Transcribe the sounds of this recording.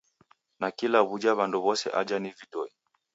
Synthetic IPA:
nakilaβud͡ʒaβandɔβɔsɛ̰ʔad͡ʒanivitɔi

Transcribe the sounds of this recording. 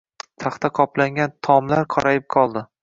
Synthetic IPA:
t̪ʰaχt̪aqʰɒplaŋɡʲant̪ʰɒmlaɾqʰɒɾajɪp̚qʰɒlˠd̪ɪ

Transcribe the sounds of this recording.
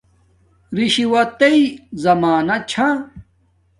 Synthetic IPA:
ɾiɕiwɐt̪ɐizɐmaːnɐt͡ɕʰã

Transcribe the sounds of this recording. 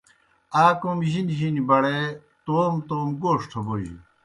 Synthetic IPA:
aːkomiʑinʑinibɐɽe | t̪oːmt̪oːmɡoːʂʈ̪ʰoboʑḭ

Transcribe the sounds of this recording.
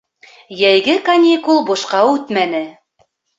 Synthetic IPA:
jæjɡɘkɐnʲikulˠbŭʃqɑʉt̪mænɘ

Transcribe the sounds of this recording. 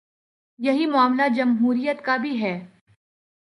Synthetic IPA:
jɐɦimʊaːmlad͡ʒɐmɦuːɾijət̪kabʱiɦɛː

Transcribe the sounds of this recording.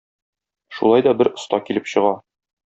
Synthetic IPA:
ʃṵlˠɑjd̪ɒbɘɾŏst̪ɑkilɘpɕɤ̆ʁɑ

